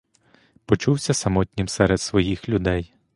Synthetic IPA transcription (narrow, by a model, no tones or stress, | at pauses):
pɔt͡ʃuwsʲɐsɐmɔt̪ʲnʲimsɛɾed̪sʋɔjixlʲʊd̪ɛj